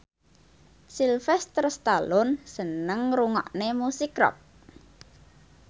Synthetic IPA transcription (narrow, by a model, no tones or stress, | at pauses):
silfɛst̪ərst̪alɔnsənəŋruŋɔ̰ʔnemusikrɔ̰k̚